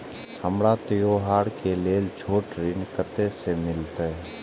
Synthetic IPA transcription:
həmɽat̪ɪjoɦaːɾkeleːld͡ʒʱʰoːʈɾɪnkət̪esemɪlt̪eɛ

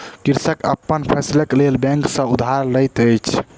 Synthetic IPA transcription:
kiɾsəkə̰pːənpʰɛsləklelbɛ̃ŋksə̃ud̪ʱɦaɾləjt̪əjt͡ʃʰ

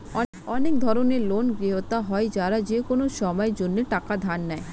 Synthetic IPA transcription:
ɔ | ɔnek̚d̪ʱɔɾoneɾlonɡɾiɦot̪aɦɔed͡ʑaɾad͡ʑekonoʃɔmɔed͡ʑonːeʈakad̪ʱanːae

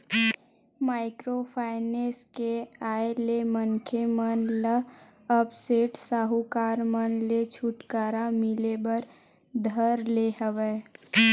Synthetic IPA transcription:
maːɪkɾopʰaːɪneːskeaːelemənkʰemənlə | əpseːʈsaːɦukaːɾmənlet͡ʃʰʊʈkaːɾamɪlebəɾ | d̪ʱəɾleɦəʋe

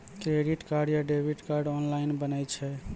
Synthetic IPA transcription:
kɾeɖiʈkaɾɖjaɖebʱiʈkaɾɖɔnlainbənɛjt͡ʃʰɛ

